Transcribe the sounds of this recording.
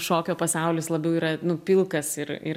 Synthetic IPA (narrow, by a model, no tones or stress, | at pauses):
ʃoːkʲoːpɐsɑˑʊlʲɪslˠɐbʲɛʊiːɾɐnʊpʲɪlˠkɐsɪɾɪ̰ɾ